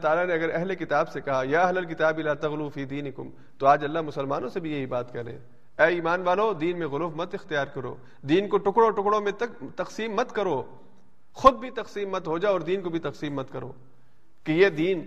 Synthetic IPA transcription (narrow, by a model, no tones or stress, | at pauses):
t̪aːlanẽɐɡəɾɛɦlekɪt̪aːbsekɐɦajaːɐɦlɐlkɪt̪aːbilaːt̪ɐɣlufiːd̪iːnɪkʊ̰m | t̪oaːd͡ʒɐlːamʊsəlmaːnõsebʱijeɦibaːt̪kɐɾḛ̃ː | ɛːiːmaːnʋaːlod̪iːnmẽɣʊlːfmɐt̪ɪxt̪ijaːɾkɐɾo̰ː | d̪iːnkoʈʊkɽõʈʊkɽõmẽt̪ɐt̪ɐqsiːmːɐt̪kɐɾoː | xʊd̪̚bʱit̪ɐqsiːmːɐt̪ɦod͡ʒaːɔːɾd̪iːnkobʱit̪ɐqsiːmːɐt̪kɐɾo̰ː | kejed̪iːn